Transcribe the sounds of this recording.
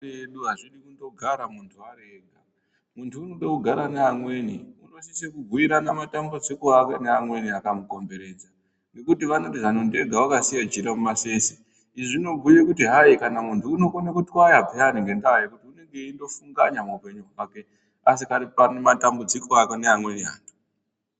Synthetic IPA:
eɗuɦaʐirikundo̞ɡʱaɾamuntʰuaɾeːɡʱa | muntʰuːno̞ɗakuɡʱaɾaneamwe̞nḭunosisekuɡʱuiɾanamatambud͡zikoakeneamwe̞niakamuko̞mbe̞ɾe̞ːd͡za | ŋɡe̞kutiʋano̞tiʐanunde̞ɡʱawakasijad͡ʒiɾamumasese | iʐino̞ɡʱujekutiɦaikanamuntuːno̞konakutiwajabʱianiŋɡe̞ndajikutiune̞ŋɡe̞indo̞fuŋɡaɲamapeɲuake | asikaripanematambud͡zikoakoneamwe̞niɦa̰ːndo̥

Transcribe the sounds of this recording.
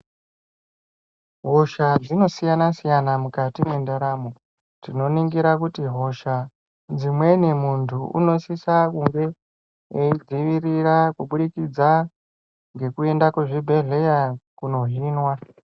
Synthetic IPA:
ɦo̞ʃad͡zino̞sijanasijanamukatimendaɾaːmo | tino̞niŋɡiɾakutiɦo̞ʃa | d͡zimwe̞nimuntʰuṵno̞sisakuŋɡe̞ | eid͡ziʋirirakuɓuɗikid͡za | ŋɡe̞kue̞ndakweʐibʱe̞ɮe̞jakuno̞ɦinwa

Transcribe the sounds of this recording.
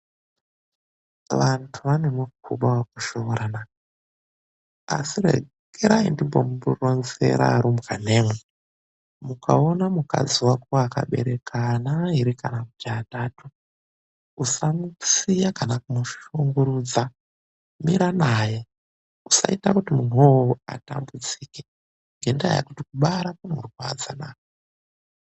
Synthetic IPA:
ʋantʰuʋanemuk̚uɓawak̚uʃooɾana | a̰sirḛ | ɡ̥eɾaindimbomuburonzeɾa̰ɾumkane̞ːme | muka̰o̞namuka̰d͡ziwakuwaːka̰ɓe̞̰ɾe̞kʰanaiɾikanakud͡ʒataːtu | usamusijakanakumuʃuŋɡuɾud͡za | miɾanaje | usa̰itakutimun̤uowoa̰tambud͡ziːke | ŋɡendaja̰kutikuɓaɾakuneurwa̰d͡za̰naːko

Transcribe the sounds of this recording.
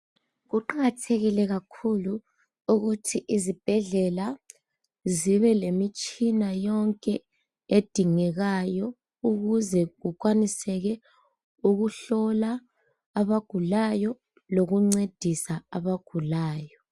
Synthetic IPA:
ɣuǃaɣatʰeɣilɛɣakʰulu | uɣutʰiʔizib̥ʱɛɮɛla | ziβɛlemit͡ʃʼinajɔŋkʼɛ | ed̥ʱiŋɛɣajɔ | uɣuzɛɣuk̬ʼwanisɛɣɛ | uɣuɬɔlaː | βaɡ̥ʱulajɔ | loɣuŋ͡ǀed̥ʱisaaβaɡ̥ʱulaːjɔ

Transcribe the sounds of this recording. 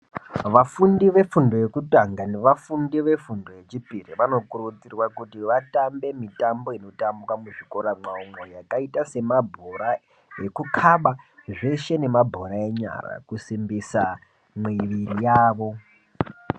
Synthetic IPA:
ʋafundiʋe̞fundo̞je̞kutaŋɡane̞ʋafundiʋe̞fundo̞jet͡ʃipiriʋano̞kuɾut͡sirwakutiʋatambe̞mitambo̞ino̞tambukwamuʐiko̞ɾamaumo̞jakaitase̞mabʱoɾa | je̞kukʰaɓaʐe̞ʃe̞ne̞mabʱo̞ɾae̞ɲa̰ɾa̰kusimbisa | mwiʋiɾijaːʋo̞

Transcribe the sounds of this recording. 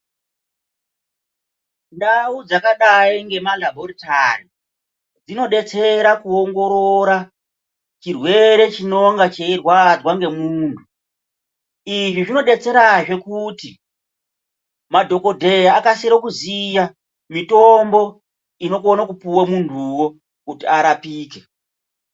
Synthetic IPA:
ndaud͡zakaɗaiŋɡe̞malabʱorita̰ri | d͡zino̞ɗe̞t͡se̞ɾakuoŋɡo̞ɾoɾa | t͡ʃirwe̞ɾe̞t͡ʃino̞ŋɡat͡ʃeirwad͡zwaŋɡe̞muːntʰu | iʐiʐino̞ɗe̞t͡se̞ɾaʐe̞kuti | madʱo̞ko̞dʱe̞jaːkasiɾokuzija | mitombo̞ | ino̞konakupuwamuntʰuwo̞ | kutiaɾapiːke̞

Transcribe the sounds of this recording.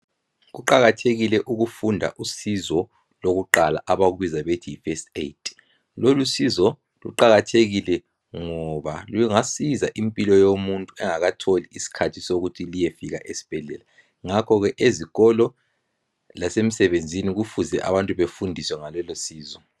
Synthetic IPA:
ɣuǃaɣatʰeɣilɛʔuɣufundʱa̰ʔusizɔ | loɣuǃala̰ʔaβaɣwizaβetʰiifɛsteitʰʼ | lolusizɔ | lṵǃaɣatʰeɣilɛ | ŋɔβalujŋasizaʔimpʼilɔjomuntʼuɛŋaɣatʰoliisi̥kʰatʰisoɣutʰilijefiɣa̰ʔesi̥b̥ʱɛɮɛ̰la | ŋakʰɔɣɛʔeziɣɔlɔ | lasem̩sɛβend͡zʱiniɣufuzɛ̰ʔa̰βantʼuβefundʱiswɛŋalɛlosiːzɔ

